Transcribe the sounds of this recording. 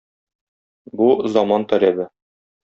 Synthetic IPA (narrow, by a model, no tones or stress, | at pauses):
buzɒmɑnt̪ɒɾæbɘ